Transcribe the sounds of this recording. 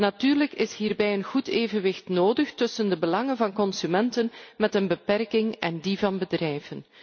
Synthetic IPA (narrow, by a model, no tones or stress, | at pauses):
natyːrləkɪsɦiːrbɛjənɣuteːvənʋɪxtnoːdəxtɵsəndəbəlɑŋənvɑnkɔnsymɛntənmɛtənbəpɛrkɪŋɛ̰ndivɑnbədrɛjvən